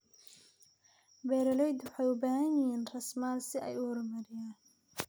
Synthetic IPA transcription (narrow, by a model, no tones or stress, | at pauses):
bɛːɾɐlɔjd̪wʊħɑjʊbaːhɐnɪɦiːnrɐsmaːlsɪʔɛ̰jʊrmɐɾɪjaː